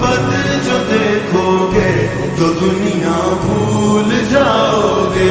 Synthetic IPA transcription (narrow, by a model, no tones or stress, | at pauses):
bɐd̪ | d͡ʒoːd̪eːkʰoke | t̪od̪ʊnijãbʱuːld͡ʒaːoɡeː